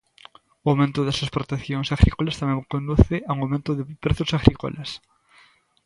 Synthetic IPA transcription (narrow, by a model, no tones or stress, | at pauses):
ʊawmẽnt̪ʊðɛsɐspɾot̪ekθjoŋsaɣɾʔikolɐst̪amẽŋkond̪uθɪaũŋawmẽnt̪ʊðɪpɾeθʊsaɣɾiko̰lʔas